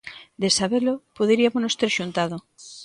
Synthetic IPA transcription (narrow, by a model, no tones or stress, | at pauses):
d̪esaβelopoðeɾiamonost̪eɾʃunt̪aðo